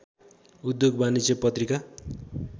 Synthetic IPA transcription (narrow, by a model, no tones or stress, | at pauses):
ud̪joɡbanisepʌt̪rika